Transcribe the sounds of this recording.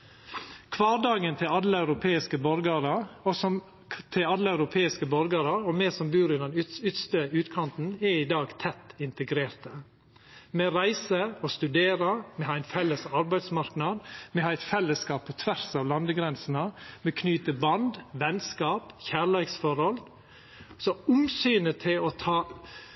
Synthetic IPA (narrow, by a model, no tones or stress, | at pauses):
kʰʋɑːɾɖɑːɡənt̪ʰɪlɑd̪ləæʉɾʊpʰeːɪskəbɔɾɡɑɾəɔsɔ | t̪ʰɪɑd̪ləæʉɾʊpʰeːɪskəbɔɾɡɑɾəɔmɛːsɔmbʉːɾɪnɛnʏt̪st̪əʉːt̪kʰɑnt̪n̩ɛid̪ɑːɡt̪ʰɛt̪ːɪnt̪əɡɾeːɾt̪ə | mɛɾæɪsəɔst̪ʉd̪eːɾɑmɛhɑːæɪnfɛlːəsɑɾbæɪd̪smɑɾknɑd̪mɛhɑːɛɪt̪fɛlːəskɑːpʰːɔt̪ʰʋæɾsɑːʋlɑnd̪əɡɾɛnsənəmɛkʰnyːt̪əbɑnd̪ʋɛnskɑːpçæːɭæɪksfɔɾhɔl | sɔʊmsyːnət̪ʰɪlɔt̪ʰɑː